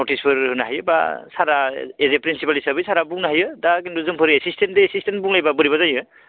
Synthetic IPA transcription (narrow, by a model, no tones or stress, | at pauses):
notʰispʰɯɾɯnaɦajɯba̰saɾaezepɾinsipalisabɯjsaɾabuŋnaɦajɯdak̬induzɯŋpʰɯɾiesistendeːsistenbuŋlajbabɯɾiβazajɯ